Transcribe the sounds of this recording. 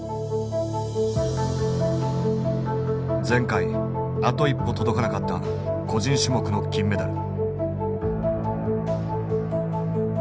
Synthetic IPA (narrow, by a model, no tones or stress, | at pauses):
d͡zẽ̞ŋkai | at̪o̞ipːo̞t̪o̞d̪o̞kanakat̪ːa̰ | ko̞ʑĩɰ̃ɕimo̞kɯ̟no̞kʲĩmːe̞d̪aɾɯ̟